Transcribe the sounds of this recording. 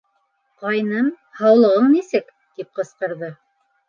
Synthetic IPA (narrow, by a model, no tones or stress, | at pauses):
qɑjnɤm | hɑwlˠɤ̆ʁɤɴnisɘk | t̪ip̚qɤ̆sqɤ̆ɾðɤ